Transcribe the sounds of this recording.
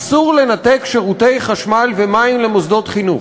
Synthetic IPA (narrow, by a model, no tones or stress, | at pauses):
suʁle̞nat̪ekʃe̞ʁute̞jχaʃmalvemaimlemozd̪o̞tχinu